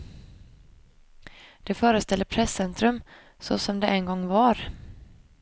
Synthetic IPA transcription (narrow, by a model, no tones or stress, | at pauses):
d̪̥ɛfœːɾəst̪ʰɛld̪əpʰɾɛsːɛnt̪ɾɵm | sɔ̰sɔmd̪ɛʔɛnɡɔŋːvaɾ